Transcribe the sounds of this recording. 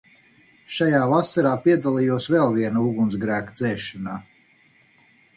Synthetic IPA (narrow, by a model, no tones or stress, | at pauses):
ʃajaːvasaɾaːpiɛd̪alˠijuɔsvɛlˠviɛnauɡunsɡɾæːkd̪zɛːʃanaː